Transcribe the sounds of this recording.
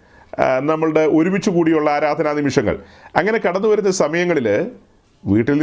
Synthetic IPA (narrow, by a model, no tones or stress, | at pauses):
nɐmːɐɭɽeo̞ɾumit͡ɕːukuːɽijuɭːɐaːɾaːd̪ʱɐnaːnimiʂɐŋːɐ̰ɭ | ɐŋːɐne̞kɐɽɐnːuʋɐɾunːɐsɐmɐjɐŋːɐɭil | ʋiːʈːiln